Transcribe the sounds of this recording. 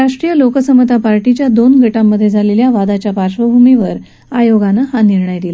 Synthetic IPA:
ɾaʂʈɾijəlokəsəmət̪apaɾʈit͡ɕjad̪onɡʱəʈamːəd̪ʱːjed͡zʱaleljaʋad̪at͡ɕjapaɾɕʋəbʱumiʋəɾ | ajoɡanaɦaniɾɳəjd̪ila

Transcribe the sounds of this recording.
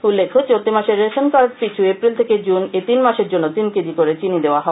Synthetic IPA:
ulːekʰːot͡ɕoɾt̪imaʃeɾːeʃonkaɾpit͡ɕʰuepɾilt̪ʰeked͡ʑunet̪inmaʃeɾd͡ʑonːot̪inked̪ikoɾet͡ɕinid̪eoaɦɔe

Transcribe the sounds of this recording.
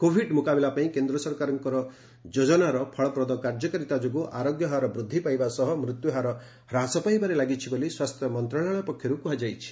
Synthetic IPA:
kobʱiɖmukabelapaĩkend̪ɾɔsɔɾkaɾɔŋkɔɾɔ | d͡ʒod͡ʒɔnaɾɔpʰɔɭɔpɾɔd̪ɔkaɾd͡ʒɔkɔɾit̪ad͡ʒoɡuʔaɾoɡjɔɦaɾɔbɾud̪ʱːipajbasɔɦɔmɾut̪juɦaɾɔ | ɾasɔpajbaɾelaɡit͡ʃʰiboliswast̪ʰjɔmɔnt̪ɾaɭ̃aɭ̃ɔpɔkʰːjɔɾukuɦad͡ʒajt͡ʃʰi̥

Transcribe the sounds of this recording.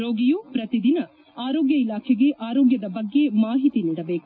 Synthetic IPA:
ɾoːɡijuːpɾɐt̪id̪inɐ | aːɾoːɡjɐilaːkʰɛɡe̞ʔaːɾoːɡjɐd̪ɐbɐɡːe̞maːɦit̪iniːɽɐbeːku

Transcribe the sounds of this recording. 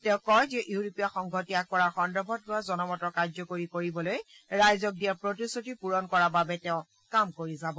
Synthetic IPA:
tɛ̃ʊ̃kɔjzɛʔuɹopijaxɔŋɡʱɔtiakɔɹaɹxɔndɔbʱɔt̚ɡuazɔnɔmɔtɔkaɹzɔkoɹikoɹibɔloj | ɹajzɔk̚dijaɹpɹotisutipuɹɔnkɔɹababɛtɛʊ̃ | kamkoɹizabɔ

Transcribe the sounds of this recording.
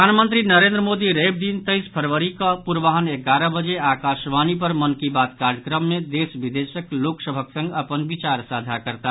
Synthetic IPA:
əanmənt̪ɾinəɾend̪ɾəmod̪iɾeb̚d̪int̪əjspʰəɾʋəɾikəpuɾʋaɦəneɡaɾəbəd͡ʒeakasʋanipəɾmənkibat̪kaɾəkɾəmːed̪esbid̪esəkloksəbʱəksə̃ŋɡəpənbit͡ʃaɾsad̪ʱakəɾt̪a

